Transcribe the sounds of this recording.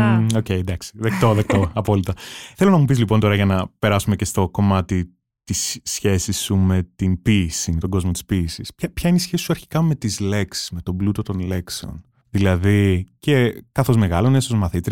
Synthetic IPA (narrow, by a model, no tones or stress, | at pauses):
o̞ce̞jd̪ɐksi̥ðek̚t̪o̞ðek̚t̪o̞ɐpo̞lit̪ɐθe̞lonɐmupizlipo̞nt̪o̞ɾɐʝɐnɐpe̞ɾɐsumecest̪o̞ko̞mɐt̪i | t̪isçe̞sisːume̞t̪inpisimet̪o̞ɡo̞zmot̪i̥spiːsispçɐpçɐineisçe̞sisuɐɾçi̥kɐme̞t̪izle̞ksi̥sme̞t̪o̞blut̪o̞t̪o̞nle̞kseo̞̰n | ðilɐðice̞kɐθo̞zme̞ɣɐlo̞nesozmɐθit̪ɾi